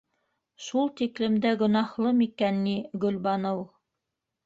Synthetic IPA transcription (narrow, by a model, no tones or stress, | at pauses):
ʃulˠt̪iklɘ̆md̪æɡŏnɑhlˠɤmikænːiɡɵ̆lβɑnɤw